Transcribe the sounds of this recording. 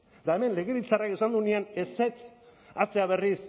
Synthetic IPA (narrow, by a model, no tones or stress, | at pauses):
d̪aeme̞nle̞ɣe̞βit͡sarakisand̪uneaneset͡s | at͡se̞aβe̞ris